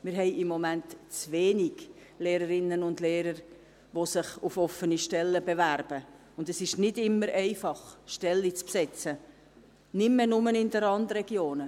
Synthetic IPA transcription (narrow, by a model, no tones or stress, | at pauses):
mɪɾɦɛɪɪmːɔmæntt͡sʋeːniɡ | leːɾəɾɪnːənʊndleːɾəɾ | ʋosɪχʊfɔfəniʃtɛlːəbevæɾb̥ə | ʊndɛsɪʃnɪdɪmːəɾɛɪfɑχʃtɛlːit͡spsɛt͡sə | nɪmːɛnʊmənɪndəɾɑndɾɛɡjoːnə